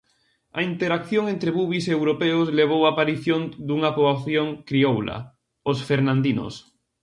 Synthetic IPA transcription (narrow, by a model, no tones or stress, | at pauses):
ɐ̰int̪eɾakθjõŋent̪ɾeβuβisewɾopeosleβ̞owaːpaɾiθjond̪uŋapoβaθjoŋkɾiowla̰ | osfeɾnãnd̪ino̰s